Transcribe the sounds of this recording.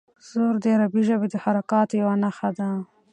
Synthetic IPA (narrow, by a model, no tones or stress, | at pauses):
z̥oɾd̪əaɾabiʒəbed̪əhaɾakɑt̪jawanaxad̪a